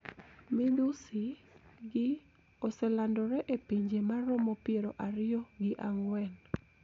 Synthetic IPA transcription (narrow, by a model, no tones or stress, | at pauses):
mɪdusiɡɪ | osɛlandɔɾɛʔepiɲd͡ʒemaɾɔmɔpɪeɾɔʔaɾɪjɔɡɪʔaŋwɛn